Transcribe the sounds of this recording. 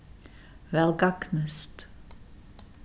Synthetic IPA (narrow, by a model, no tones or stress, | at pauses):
ʋɛlɡɑɡnəst̪